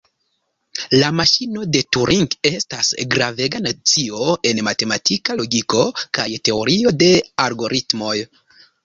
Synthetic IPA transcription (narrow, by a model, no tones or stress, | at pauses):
lamaʃino̞de̞tuɾʔiŋke̞stasɡɾave̞ɡanat͡sio̞e̞nmate̞matʰikalo̞ɡiko̞kajte̞o̞ɾio̞de̞aɾɡo̞ɾʔitmo̞j